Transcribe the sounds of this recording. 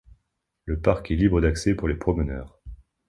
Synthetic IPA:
ləpaʁkɛlibʁəd̪aksɛpuʁlepχɔmənœːʁ

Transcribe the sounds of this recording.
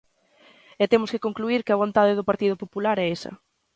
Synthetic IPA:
ɛt̪emʊskɪkoŋkluiɾkɪɐβ̞ont̪aðɪðʊpaɾt̪ið̞ʊpopulaɾɛesɐ̰

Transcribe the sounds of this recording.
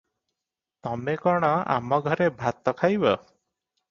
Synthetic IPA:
t̪ɔmekɔɽ̃ɔa̰mɔɡʱɔɾebʱat̪ɔkʰajbɔ

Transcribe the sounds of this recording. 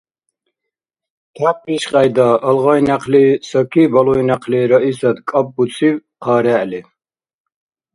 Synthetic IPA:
kʰap̚ʼiʃqʼajd̪aʔːlʁajnaqʰlisɔkʰibalɔjnaqʰliːɾɔisad̪kʼap̚ʼbusʰiv | qʰaːɾɛʔli

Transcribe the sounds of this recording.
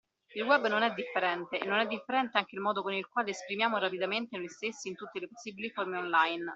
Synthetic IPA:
ilwɛbːnonɛd̪ːifːeɾɛnt̪eḛnːonɛd̪ːifːeɾɛnt̪eaŋk̟eilmɔːd̪okonilkwaːleːspɾimjaːmoɾapid̪ament̪enojst̪esːiːnt̪ut̪ːeleposːiːbiliformeonlajn

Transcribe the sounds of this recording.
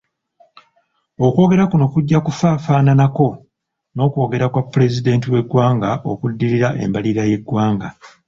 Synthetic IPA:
o̞kwo̞ːɡe̞ɾakuno̞kuɟːakufaːfaːnanako̞ | no̞ːko̞ːɡe̞ɾakwapːle̞zide̞ːntiwe̞ɡwaːŋɡaʔo̞̰kudːiɾiɾaʔe̞̰mbaliɾaje̞ɡwaːŋɡa

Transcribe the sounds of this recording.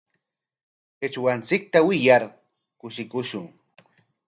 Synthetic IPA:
ɪt͡ʃwant͡sɪk̚t̪awɪjaɾ | kʊʃɪkʊʃʊŋ

